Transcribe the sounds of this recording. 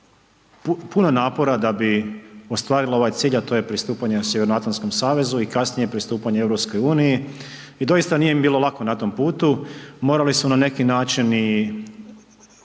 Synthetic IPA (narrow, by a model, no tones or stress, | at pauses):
pupunonaːpo̞ɾad̪abiost̪ʋaːɾilˠao̞ʋajt̪siːʎat̪o̞ːje̞pɾist̪uːpaɲe̞sje̞ʋe̞ɾnoat̪lansko̞msaːʋe̞zuikasnije̞pɾist̪uːpaɲeeʋɾopsko̞juːniji | id̪o̞jist̪anijembiːlo̞lˠakonat̪o̞mpuːt̪umo̞ːɾalismonane̞kinaːt͡ʃini